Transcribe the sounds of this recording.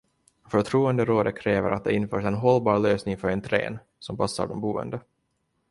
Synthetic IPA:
fœt̪ʰɾuːɛnd̪əɾoːd̪əkʰɾɛːvəɾʔat̪̚d̪ɛɪnfœːʂɛnɦɔlːbɑːɾløːsnɪŋfœɾɛnt̪ʰɾḛːn | sɔmpʰasːa̰ɖɔmbuːɛ̰nd̪ə

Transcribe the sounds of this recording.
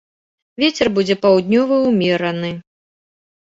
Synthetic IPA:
vʲet͡sʲɛrbud͡zʲɛpawd̪ʲnʲɔvɐumʲɛɾɐnɨ

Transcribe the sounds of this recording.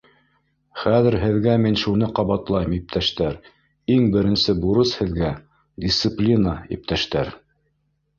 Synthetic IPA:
χæðɘ̆ɾɦɘ̆ðɡæminʃunɤqɑβɑt̪lˠɑjmip̚t̪ʰæʃt̪æɾ | iŋbɘ̆ɾɘ̆nsɘbuɾɤshɘ̆ðɡæ | dʲist̪sɨplʲinaḭp̚t̪æʃt̪æɾ

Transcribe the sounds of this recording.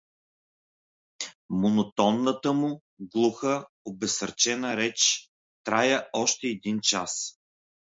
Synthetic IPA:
monot̪ɔnːət̪əmʊ | ɡlˠuxə | obɛsəɾt͡ʃɛnəɾɛt͡ʃ | t̪ɾajəɔʃt̪ɛːd̪int͡ʃas

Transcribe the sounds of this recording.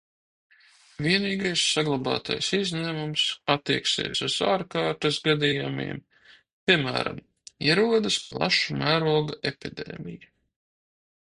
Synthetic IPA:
viɛniːɡajsːaɡlˠabɑ̰ːt̪ʰa̰jsizʲnʲæːmumsat̪ːiɛksɛ̰ːsuzaːɾkaːɾt̪asɡad̪ijamḭɛm | pʲiɛmæ̰ːɾa̰m | iɛɾuɔd̪ɨsplˠa̰ʃumæːɾuɔɡaʔepʲid̪ḛːmija

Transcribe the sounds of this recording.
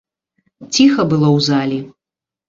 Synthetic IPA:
t͡sʲixɐbɨlˠɔwzalʲi

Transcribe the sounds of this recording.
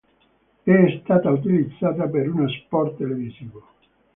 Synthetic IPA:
ɛst̪aːt̪aut̪̬ilid̪zːaːt̪apeɾunospɔrt̪ːeleviziːvo

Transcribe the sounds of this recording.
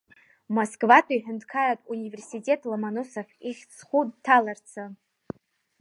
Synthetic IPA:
moskvatʷʰaiħᶣɪndkʰaratʼunive̞rsitʲʼe̞tʼlomanosofiχʲt͡sʰχʷudtʰalart͡sʰɨ

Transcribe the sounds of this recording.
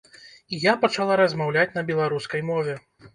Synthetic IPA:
ijapɐt͡ʂalˠaɾɐzmawlʲat͡sʲnɐbʲɛlˠaɾuskɐjmɔvʲɛ

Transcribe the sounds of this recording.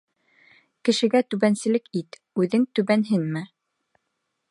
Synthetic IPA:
kɘ̆ʃɘ̆ɡæt̪ʉβænsɘ̆lɘkit̪ | ʉðɘŋt̪ʉβænɦɘnmɘ

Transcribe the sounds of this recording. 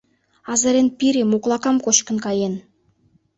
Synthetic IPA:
ɑzaɾenpʲiɾʲimuklˠɑkɑmkoʃkə̆nkɑjen

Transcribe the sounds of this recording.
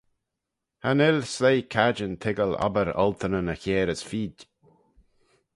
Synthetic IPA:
hanɪlsleːkʰad͡ʒənt̪ʰɪɡəla̰bəɾɔ̰lt̪ʰənənəçeːɾəsfiːd

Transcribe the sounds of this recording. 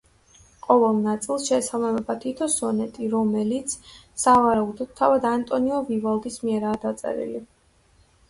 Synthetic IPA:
qʼɔvɛlˠnat̪sʼilˠsʃɛsalˠamɛbat̪ʰit̪ʰɔsɔnɛt̪ʼiɾɔmɛlit̪sʰ | savaɾaud̪ɔd̪̚t̪ʰavad̪ant̪ʼɔniɔvivalˠd̪ismiɛɾaːd̪at̪sʼɛ̰ɾḭli

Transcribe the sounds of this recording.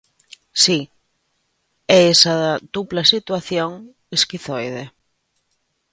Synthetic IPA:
si | ɛesaðɐd̪uplasit̪waθjoŋ | eskiθojðe

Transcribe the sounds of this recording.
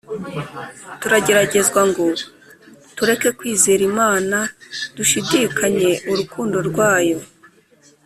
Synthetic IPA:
tuɾaɟe̞ɾaɟe̞zɡwaŋɡo̞ | tuɾe̞ke̞kwiːzeːɾimaːnad̥uʃidikʰaɲe̞ʔuɾukuːndo̞ɾɡwaːjo̞

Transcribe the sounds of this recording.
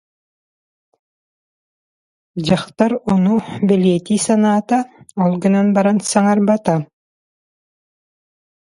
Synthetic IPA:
d͡ʑɑχt̪ɑɾonubɪlʲɛt̪ʲisɑnaːt̪ɑɔlˠɡɯ̆nɑnbɑɾɑnsɑŋɑɾbɑt̪a

